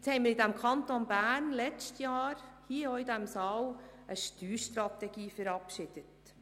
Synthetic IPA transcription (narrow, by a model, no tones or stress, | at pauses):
t͡shɛɪməɾɪdæmkʰɑnt̪onbæːnlɛt͡stjɑːɾhiəoːidæmsɑːwəʃtyːɾʃtɾɑt̪ɛɡiːfəɾɑpʃɪd̥ət